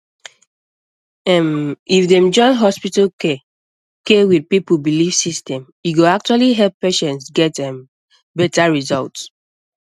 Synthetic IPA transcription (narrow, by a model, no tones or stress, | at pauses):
ɛ̃mifdɛ̃md͡ʒɔ̃nɦɔspitake | kewid̚pipubilifsistɛ̃mjuɡoak̚t͡ʃualiɦɛlppeʃɛ̃ntsɡɛtɛ̃m | bɛtaɹizɔlts